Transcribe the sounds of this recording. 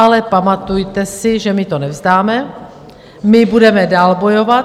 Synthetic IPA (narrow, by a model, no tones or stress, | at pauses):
alɛpamat̪ujt̪ɛsɪʒɛmɪt̪onɛvzd̪aːmɛ | mɪbudɛmɛdaːlbo̞jovat̪